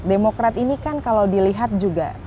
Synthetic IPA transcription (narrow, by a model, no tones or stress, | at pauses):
demokɾat̪inikankalawdiliɦat̪̚d͡ʒuɡa̰